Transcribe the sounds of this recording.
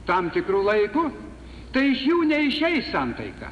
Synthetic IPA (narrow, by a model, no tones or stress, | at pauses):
t̪ɐmt̪ʲɪkɾuːlˠɐɪkʊ | t̪ɐɪɪʃjuːnʲɛɪʃʲɛɪssɐnt̪ɐɪkɐ̰